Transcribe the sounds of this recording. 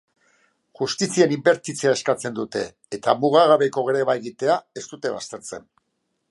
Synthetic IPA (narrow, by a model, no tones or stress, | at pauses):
ʝust̪isie̞nimbe̞ɾt̪it͡seaeskat͡se̞nd̪ut̪e̞ːt̪amuɣaɣaβe̞ko̞ɣeɾeβaeɣit̪e̞ae̞st̪ut̪e̞βa̰st̪e̞ɾt͡se̞̰n